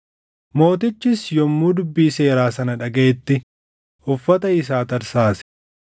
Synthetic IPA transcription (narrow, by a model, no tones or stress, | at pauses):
mo̞ːt̪ɪt͡ʃːɪsjɔmːuːd̪ʊbːiːse̞ːɾaːsɐnɐᶑɐɡeːt̪ːɪ | ʊfːɐt̪ɐɪs̬aːt̪ɐɾsaːs